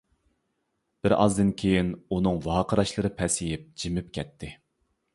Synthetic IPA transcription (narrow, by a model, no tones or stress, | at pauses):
b̥ɪɾɑ̰zd̪ɨnkʲʰejinunɨŋwɑːqʰəɾɑʃlˠɨɾɨpʰɛsijɪp̚d͡ʒimɪpkʲʰɛt̪ʰːɪ